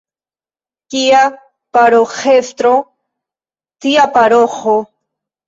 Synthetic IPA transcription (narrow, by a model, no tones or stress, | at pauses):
kija | paɾoχest̪ɾo | t̪iapaɾoχo